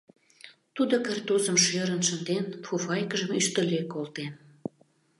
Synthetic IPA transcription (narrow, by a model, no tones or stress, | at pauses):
t̪ud̪okərt̪uzəmʃøɾənʃənd̪enfufɑjkəʒəmyʃt̪əløkolt̪en